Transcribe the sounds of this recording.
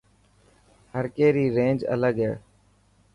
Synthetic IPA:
həɾkeːɾiːɾẽːnd͡ʒə̰ləɡɦeː

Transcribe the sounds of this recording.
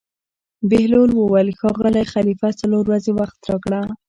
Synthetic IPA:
bɪhlolwəwalxɑɣəlajxalifasaloɾwazewaxt̪ɾɑkɽa

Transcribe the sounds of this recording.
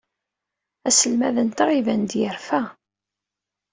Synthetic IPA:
æsəlmæðənt̪aʁivænd̪jəɾfæ

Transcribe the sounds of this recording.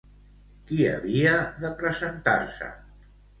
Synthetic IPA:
kiə̰βiəðəpɾəzənt̪a̰ɾsə̰

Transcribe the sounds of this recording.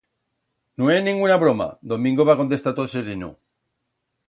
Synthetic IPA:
noejnĩŋɡunaβɾoma̰d̪omĩŋɡoβako̞nt̪e̞st̪at̪oseɾinṵ

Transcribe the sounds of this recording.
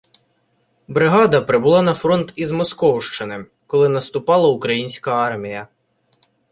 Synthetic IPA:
bɾɪɦɑd̪ɐpɾɪbʊlˠɑnɐfɾɔnt̪izmɔskɔwʃt͡ʃɪnɪ | kɔlˠɪnɐst̪ʊpɑlˠɐʊkɾɐjinʲsʲkɐɑrmʲijɐ

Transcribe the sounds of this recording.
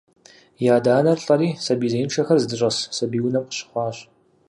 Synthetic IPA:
jaːdaːnɐrɬʼɐɾiːsɐbiːzeːnʂʰɐxɐrzɨdɨɕʼɐssɐbiːwnɐmqə̥ɕɪ̥χʷɑːɕ

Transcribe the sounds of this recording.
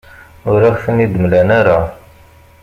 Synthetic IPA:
ʊɾaxθənid̪əmlænaɾa

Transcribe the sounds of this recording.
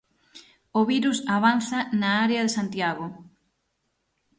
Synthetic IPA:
oβiɾusaβanθɐnaaɾeɐðesant̪jaɣo

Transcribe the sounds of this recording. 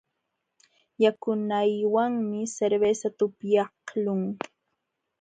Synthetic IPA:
jakʊnajwaŋmɪseɾbesat̪ʊpjɑhlʊŋ

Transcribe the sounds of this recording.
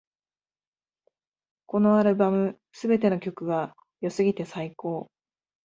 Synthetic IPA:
ko̞no̞aɾɯ̟bamɯ̟ | sɨbe̞t̪e̞no̞kʲo̞kɯ̟ɡa | josɨɡʲit̪e̞saiko̞ː

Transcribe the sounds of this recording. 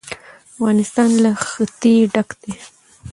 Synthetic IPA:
afɣɑnɪst̪ɑnlaxət̪eɖakd̪e

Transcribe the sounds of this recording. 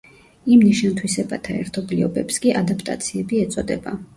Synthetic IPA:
imniʃant̪ʰwisɛbat̪ʰaɛ̰ɾt̪ʰɔbliɔbɛpskʼiʔad̪apʰʼt̪ʼa̰t̪sʰiɛbiɛt̪sʼɔd̪ɛba̰

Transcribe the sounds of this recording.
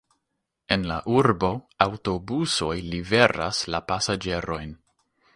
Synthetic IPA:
e̞nlaʔuɾbo̞awto̞buso̞jlive̞ɾa̰slapasad͡ʒe̞ɾo̞jn

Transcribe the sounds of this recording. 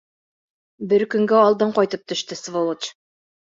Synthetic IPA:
bɘɾkɵ̆ŋɡæɑlˠd̪ɤɴqɑjt̪ɤp̚t̪ɵ̆ʃt̪ɘsvolˠɤt͡ʃ

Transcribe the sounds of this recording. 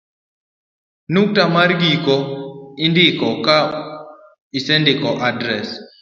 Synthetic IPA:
nuk̚tamaɾɡikɔindɪkɔka | isɛndɪkɔʔadɾɛs

